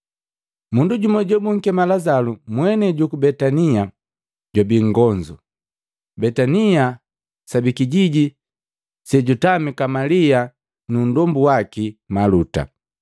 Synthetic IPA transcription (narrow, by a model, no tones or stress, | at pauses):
munduɟumɔɟɔbuŋ̩kɛmalazalumwɛnɛɟukubɛtania | ɟɔbiŋɡɔɲd͡ʒu | bɛtania | sabikiɟiɟi | sɛɟutamikamalia | nundɔmbuwakimaluta̰